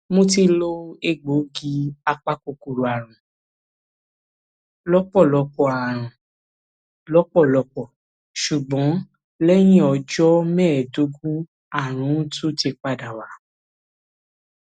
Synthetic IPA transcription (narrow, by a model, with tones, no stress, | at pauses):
mõ˧ti˧lo˦e˧ɡ͡bo˨˦ɡi˧a˧k͡pa˦ko˧˨ku˧˨ɾu˨a˨ɾ̃ũ˨ | lɔ˦k͡pɔ˦˨lɔ˧˦k͡pɔ˧a˨ɾ̃ã˨ | lɔ˦k͡pɔ˦˨lɔ˧k͡pɔ˦˨ | ʃu˨ɡ͡bɔ̃˨˦ | lɛ˦j̃ĩ˦ɔ˧d͡ʒɔ˦mɛ˦˨do˨˦ɡu˦ | a˨ɾ̃ũ˨˦tu˦˨ti˧k͡pa˧˨da˨wa˨˦